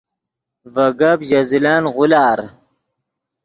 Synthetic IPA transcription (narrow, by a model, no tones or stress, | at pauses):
vɐɡabʑɐzilaːnʁʊlɑːɾ